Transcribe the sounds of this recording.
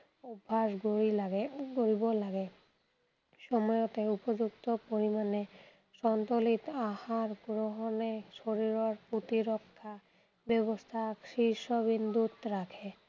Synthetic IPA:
ubʱːasɡoiaɡɡoɾibɔlaɡe | ʃɔmɔjɔt̪eupɔd͡ʒukt̪ɔpoɾimane | ʃɔnt̪olit̪ahaɾɡɾoɦɔneʃoɾiɾɔɾput̪iɾɔkʰːa | bɛβɔst̪ʰakʃiʃɔβind̪ʱut̪ɾakʰe

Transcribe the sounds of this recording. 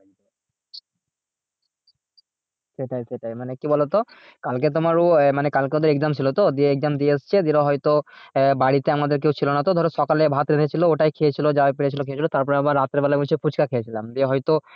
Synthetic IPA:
seʈajseʈajmanekibɔlot̪o | kalket̪̬omaɾomanekalkeod̪eɾeɡzamt͡ɕʰilot̪od̪ieeɡ̚zamd̪ieast͡ɕʰed̪iɾaɦɔjt̪obaɽit̪eamad̪eɾk̬ewt͡ɕʰilonat̪od̪ʱɔɾeʃɔkalebʱat̪ɾed̪ʱʰet͡ɕʰilooʈajkʰejet͡ɕʰilod͡ʑaapeɽet͡ɕʰilokʰeet͡ɕʰilot̪aɾpɔɾeabaɾːat̪ːɾebɛlaut͡ɕʰeput͡ɕkakʰejet͡ɕʰilamd̪ieɦɔjt̪o

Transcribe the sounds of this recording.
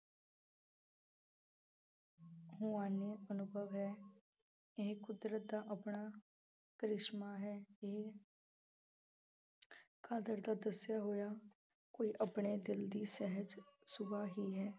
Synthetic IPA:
ɦʊaːneːənʊbʱəʋɦɛː | ɪɦkʊd̪ɾət̪̚d̪aːʔəpɳaː | kɾɪʃmaːɦɛːe | kʰaːd̪əɾd̪aːd̪əsjaːɦoːjaː | koːiːʔəpɳeːd̪ɪld̪iːsɛɦəd͡ʒsʊbaːɦiːɦɛː

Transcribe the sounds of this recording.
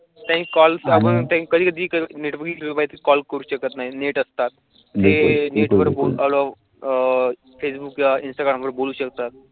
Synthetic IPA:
t̪ãnkɔlsapəɳt̪ãkəd̪ʱiːkəd̪ʱiːkəneʈʋəɾɡiebait̪kɔlkəɾuːɕəkət̪naɦineʈəst̪at̪̚ | əsbɪulneʈʋəɾbolalɔ | fesbukjainsʈaɡɾamʋəɾboluːɕəkt̪at̪̚

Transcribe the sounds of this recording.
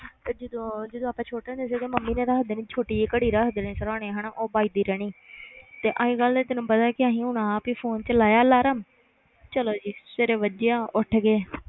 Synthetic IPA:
t̪ed͡ʒɪd̪õːd͡ʒəd̪õaːpãːt͡ʃʰoːʈẽnd̪eːs̬ek̪eːməmːiːnẽːɾəːɦd̪eːnĩːt͡ʃʰoːʈiːekəɽiːɾakd̪enĩːsəɾãːɽẽːɦəñaʔoːbaːiːd̪iːɾɛːɽ̃iːt̪eːʔaːĩːɡəld̪eːt̪ɪnũːpəd̪aːkɪaːɦĩːɦuːɽaːpiːpʰoːnt͡ʃəlaːjaːlaːɾəm | t͡ʃəloːd͡ʒiːseɾeːʋəd͡ʒeãːʔʊʈʰɡeː

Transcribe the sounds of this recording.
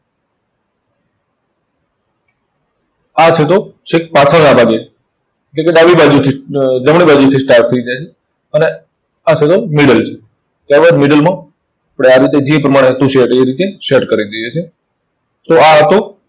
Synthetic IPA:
at͡ʃʰet̪ot͡ʃʰek̚pat̪ʰəɽnabʱaɡet͡ʃʰe̥ | eʈlẽk̬eɖaʋibad͡ʒut̪ʰid͡ʒəmɳ̃ibad͡ʒut̪ʰisʈaɾʈ̚t̪ʰəid͡ʒajt͡ʃʰe | əne | at͡ʃʰet̪omiɽəlt͡ʃʰe̥ | t̪jaɾbaɾmɪɖəlmã | apɽeaɾit̪ed͡ʒipɾəmaɽ̃et̪ũʃeʈeiɾit̪eʃeʈkəɾid̪ijet͡ʃʰe | t̪oat̪o

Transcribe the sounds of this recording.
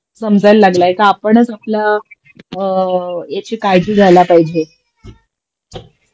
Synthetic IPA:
səmd͡zʱajlːaɡlaekaːpəɳət͡sapla | jet͡ɕekajd͡ʑiːd͡zʱalapaɦid͡ʑe

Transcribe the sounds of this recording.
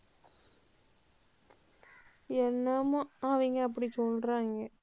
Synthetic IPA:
ɛnːɐmʊ̃aʋiŋɡɐɐp̬ːɐɽisɔlɾaːŋɡɐ

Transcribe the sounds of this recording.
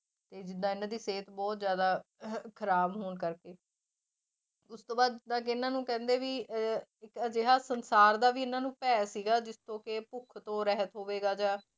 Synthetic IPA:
t̪eːd͡ʒɪd̪ãːɪnãːd̪iːseːt̪bɔːt̪zjaːd̪aːkʰəɾaːbɦoːnkəɾkeː | ʊst̪õːbaːd̪d͡ʒd̪ãːkeɪnãːnũːkɛ̃ːnd̪eːʋiːɪkd͡ʒeːɦaːsənsaːɾd̪aːʋiːɪnãːnũːpɛːsiːɡaːd͡ʒɪst̪õːkepʊkʰt̪õːɾɛɦət̪ɦoːʋeːɡaːd͡ʒãː

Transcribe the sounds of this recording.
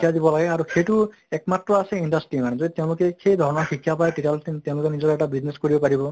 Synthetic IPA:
jad̪ibɔlaɡɛaɹuxejtu | ɛk̚matɹɔasɛindasʈɹimanɛzod̪iteʊ̃lʊkɛxejd̪ʱɔɹɔnɔɹxʰikʰːjapajʈitalteʊ̃lʊkenizɔtɛʈabizneskoɹibɔpaɹibɔ

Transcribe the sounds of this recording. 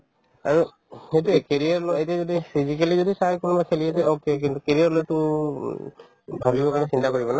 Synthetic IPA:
aɹu | hetɛkeɹijaɹlɔetɛzɔdipʰizikelizɔdisakɔnumakʰelijatɛokek̬int̪ukeɹijaɹlojtu | bʱabibɔkanɛsintakɔɹibɔna

